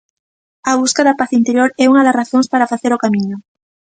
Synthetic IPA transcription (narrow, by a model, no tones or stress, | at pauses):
ɐβuskaðapaθint̪eɾjoɾɛuŋɐðɐzraθoŋspaɾafaθeɾokamĩɲʊ